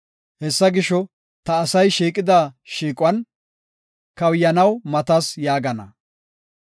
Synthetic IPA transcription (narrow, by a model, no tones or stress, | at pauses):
hɛsːɐɡɪʃɔ | t̪ɐːsɐjʃiːkʼɪd̪aːʃiːkʼʊwɐn | kɐwjɐnɐwmɐt̪ɐsjaːɡɐnɐ̰